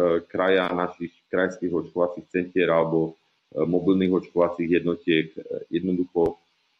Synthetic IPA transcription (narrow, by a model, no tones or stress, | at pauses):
kɾajanaʃixkɾajnskiːɣɔt͡ʃkɔʋat͡siːxt͡sɛncɪɛɾalɛbɔ | mɔbilniɣɔt͡ʃkɔʋat͡siːɣjɛd̪nɔcɪɛkjɛd̪nɔd̪uxɔ